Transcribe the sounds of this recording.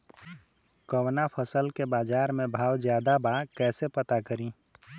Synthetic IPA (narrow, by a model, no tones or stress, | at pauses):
kəwnapʰəsəlkebad͡ʒaɾmebʱawd͡ʒjad̪abakɛːsepət̪akəɾĩ